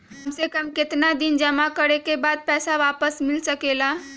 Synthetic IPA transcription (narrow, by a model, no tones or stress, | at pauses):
ɦʊmsekɐmkɪt̪nad̪ɪnd͡ʒɐmakəɽekebaːd̪̚pɛːsaʋaːpəsmɪlsɐkeːlaː